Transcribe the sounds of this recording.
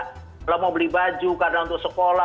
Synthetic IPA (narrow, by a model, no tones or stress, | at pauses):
laməobəlihbad͡ʒukarənaunt̪ʊk̚səkola